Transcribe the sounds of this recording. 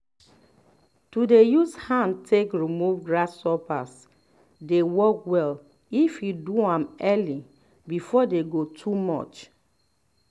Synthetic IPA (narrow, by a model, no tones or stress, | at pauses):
tudejushãn̚tʰekɹimuvɡɹasːɔpas | dewɔkwɛl | ifiduãmɛli | bifɔdeɡotʰumɔ̰t͡ʃ